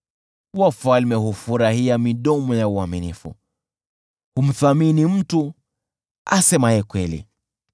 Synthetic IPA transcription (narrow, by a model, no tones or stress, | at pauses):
wafalmɛhufuɾahiamiɗɔmɔjauaminifṵ | hum̩θaminim̩tu | asɛmajɛkwɛlḭ